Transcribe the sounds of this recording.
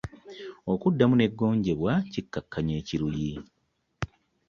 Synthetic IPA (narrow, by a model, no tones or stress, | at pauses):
o̞kudːamune̞ɡːo̞ːɲɟe̞βwacikːakːaɲe̞ːciɾuji